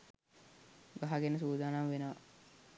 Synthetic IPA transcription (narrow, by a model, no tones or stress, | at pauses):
ɡaɦaɡenəs̬uːd̪aːnamʋenəʋɐ̰